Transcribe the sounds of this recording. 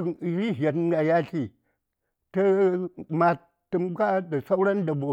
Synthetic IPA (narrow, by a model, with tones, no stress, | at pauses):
i˨ɾi˦ɦa˨tɡa˨ja˦ɬi˦ | tə˦ma˨ | tːə˨mka˦da˨sa˦u˦ɾa˦n˦da˨bo˨